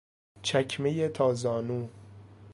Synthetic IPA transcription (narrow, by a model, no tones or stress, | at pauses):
t͡ʃʰæcʰmejet̪ʰɒːzɒːnuː